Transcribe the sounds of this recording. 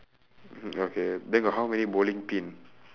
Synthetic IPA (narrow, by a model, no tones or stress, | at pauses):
okedɛ̃ŋɡɔɦawmɛnibolɪ̃ŋpĩn